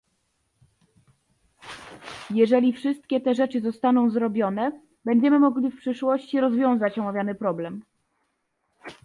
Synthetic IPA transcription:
jɛʐɛlʲifʂɘst̪̚kʲɛt̪ɛʐɛt͡ʂɘzɔst̪anɔ̃w̃zɾɔbʲjɔnɛ | bɛɲd͡ʑɛmɘmɔɡlʲifpʂɘʂwɔɕt͡ɕiɾɔzvʲjɔ̃w̃zat͡ɕɔmavʲjanɘpɾɔblɛm

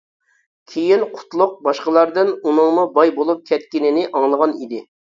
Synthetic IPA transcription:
kʲʰejinqʰʊ̥t̪lˠʊq̚bɑʃqəlˠɑɾd̪ɨnunɨŋmʊbɑjbolˠup̚kʲʰɛt̪̚kʲinɪnɪʔɑŋlˠəʁɑnid̪ɪ

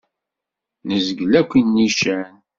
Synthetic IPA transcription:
nəzɡlækʷːinːiʃæn

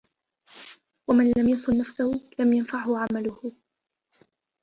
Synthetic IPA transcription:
wamanlamjɑsˤʊlːafsahʊlamjanfaʕhʊʕamalʊhʊ

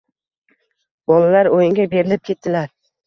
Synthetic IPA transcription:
bɒlalaɾojɪŋɡʲabe̞ɾɪlɪp̚kʰʲe̞t̪ʰd̪ɪlaɾ

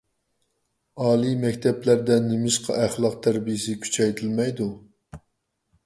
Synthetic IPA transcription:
ɑːlˠimɛkʲt̪ʰɛplæɾd̪ɛnɪmɪʃqʰɑ̰ʔæχlˠɑq̚t̪ʰæɾbijɪsɪkʲʰy̥t͡ʃʰɛjt̪ʰɪlmɛjd̪u

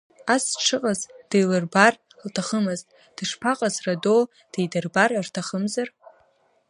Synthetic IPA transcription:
asʈ͡ʂʰɨqʼazd̥ejlɨrbar | ltʰaχəmɨztʼ | d̥ɨʂpʰaqʼazrado | d̥ejdɨrbarartʰaχəmzar

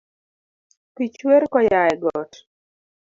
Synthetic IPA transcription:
pit͡ʃweɾkɔjajɛɡɔt

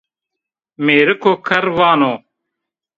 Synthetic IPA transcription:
meːɾɪkʰoːkʰɐɾʋaːnoː

